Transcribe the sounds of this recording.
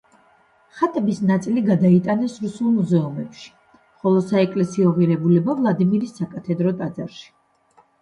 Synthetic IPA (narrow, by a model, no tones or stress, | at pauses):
χat̪ʼɛbisnat̪sʼiliɡad̪ait̪ʼanɛsɾusulˠmuzɛumɛpʃi̥ | χɔlˠɔsaɛkʼlɛsiɔʁiɾɛbulɛbavlˠad̪imiɾisːakʼat̪ʰɛd̪ɾɔt̪ʼad̪zaɾʃi̥